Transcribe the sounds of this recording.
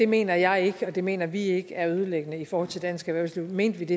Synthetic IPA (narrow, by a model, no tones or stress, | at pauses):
d̥e̝me̝̰ːnɐjɑ̈ɪe̝ɡ̥əɒ̽d̥e̝me̝̰ːnɐʋie̝ɡ̥əæɐøð̞ˠəleɡ̥ənəifɒːhɒ̽l̰t͡sʰe̝d̥æn̰sɡ̥əʋæɐʊsliʊ̰me̝̰ːnd̥ʋid̥e̝